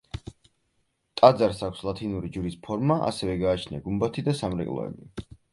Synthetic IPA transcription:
t̪ʼad̪zaɾsakʷʰslˠat̪ʰinuɾid͡ʒuɾispʰɔɾmaʔa̰sɛvɛɡaːt͡ʃʰnia̰ɡumbat̪ʰid̪asamɾɛ̰kʼlˠɔ̰ɛ̰bi

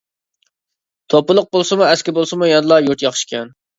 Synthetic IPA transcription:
t̪ʰopʊlˠʊq̚bolˠsɨmuɛskʲɪbolˠsɨmujɑnɨlˠɑjuɾt̪jɑχʃkʲɛn

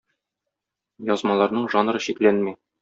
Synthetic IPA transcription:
jɒzmɑlˠɑɾnɤɴʒɑnɾɤɕiklænmi

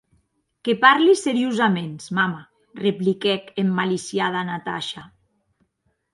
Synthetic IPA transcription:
kepaɾliseɾiuzamensmama | replikɛkemːalisjað̞anat̪a̰ʃa

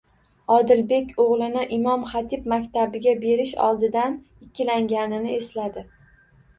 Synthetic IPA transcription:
ɒd̪ɪlbe̞kʲoʁlˠɪnɪʔɪmɒmχat̪ʰɪpmakʲt̪ʰabɪɡʲabe̞ɾɪʃɒ̰lˠd̪ɪd̪an | ɪkʲʰːɪlaŋɡʲanɪnɪeslad̪ɪ

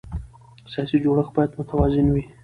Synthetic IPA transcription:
sijɑsid͡ʒoɽəxbɑjad̪mʊt̪awɑzɪnwi

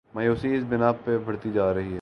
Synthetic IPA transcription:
mɐjoːsiɪsbɪnaːpːebʱɐɽt̪id͡ʒaːɾɐɦiɦɛ

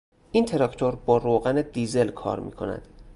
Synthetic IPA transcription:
ʔiːnt̪ʰe̞ɾɒkʰt̪ʰoɾbɒːɾoːɣæned̪iːzelkʰɒ̰ːɾmḭːkʰo̞̰næ̰d̪̥

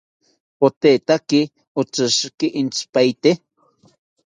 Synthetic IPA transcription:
pot̪et̪aki | ʊt͡sɨʃkiʔint͡spajt̪e

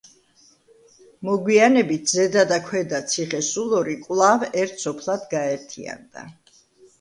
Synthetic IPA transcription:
mɔɡwianɛbit̪̚ʰzɛd̪ad̪akʰwɛd̪at̪sʰiχɛsulˠɔɾikʼwlˠavɛɾt̪ʰsɔpʰlˠad̪ɡaɛɾt̪ʰḭa̰nd̪̥a̰

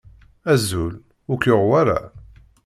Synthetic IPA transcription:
æzːul | ʊɾkjoʁwaɾa̰

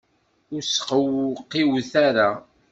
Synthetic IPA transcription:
ʊɾsqəwqːiwθaɾa

